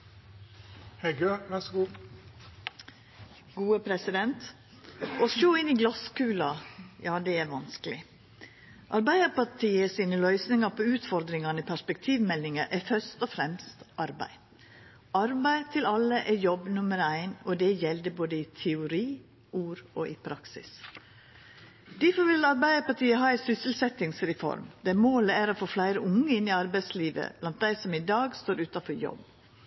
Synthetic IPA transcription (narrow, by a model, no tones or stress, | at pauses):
hɛɪɡøʋæsɡuː | ɡ̥uːəpʰɾɛsɪd̪ɛnt̪ | ɔʃoːɪnɪɡlɑskʉːlɑjɑːd̪ɛæɾʋɑnskəlɪ | ʔɑɾbæɪd̪əpɑʈʰiːəsiːnəlœʏsnɪŋɑɾpʰɔʉːt̪fɔɾd̪ɾɪŋɑnəpʰæʂpɛk̚t̪ʰiːʋmɛlːɪŋəʔæfœst̪ɔfɾɛmst̪ʔɑɾbæ̰ɪ | ɑɾbæɪt̪ʰɪlɑləʔɛjɔbːnʊməɾæɪnɔd̪ɛjɛld̪əboːd̪əɪt̪ʰɛʊɾiː | ʔuːɾoʔɪpʰɾɑksɪ̰s | d̪̥ɪfɔʋɪlɑɾbæɪd̪əpɑʈʰiːəɦɑːæɪsʏsɪl̩sɛt̪ɪŋsɾɛfɔ̰ɾmd̪̥ɛæɾmoːləæɾoːfoːflæɪɾəʊŋːəɪnɪɑɾbæɪsliːʋə̰blɑnt̪̚d̪æɪsɔmɪd̪ɑːɡst̪oːɾʉːt̪ɑfɔɾjɔ̰b